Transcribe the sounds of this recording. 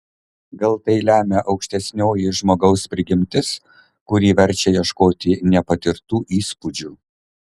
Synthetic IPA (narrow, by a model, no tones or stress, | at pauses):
ɡɐlˠt̪ɐɪlʲæːmʲɛʔɒʊkʃʲt̪ʲɛsʲnʲoːjɪʒmoːɡɒʊspʲɾʲɪɡʲɪmʲt̪ʲɪs | kʊɾʲiːʋʲɛɾʲt͡ʃʲɛjiɛʃkoːt̪ʲɪnʲɛpɐt̪ʲɪɾt̪uːʔiːspʊd͡ʒʲuː